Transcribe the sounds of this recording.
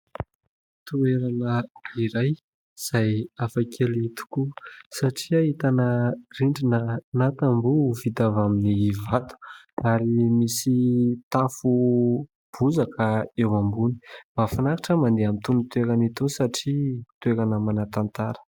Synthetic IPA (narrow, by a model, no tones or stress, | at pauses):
t̪ueɾanəiɾaj | z̥ajafakʰelit̪u̥kusaʈ͡ʂiaɦit̪anəriɳɖ͡ʐinənat̪ambuvit̪avaminivat̪u̥ | aɾimisit̪afu | b̥uzakʰəewambuni̥b̥afanakaʈ͡ʂəmand̪eamit̪unit̪ueɾanit̪unsaʈ͡ʂit̪ueɾanəmanat̪ant̪aɾə̥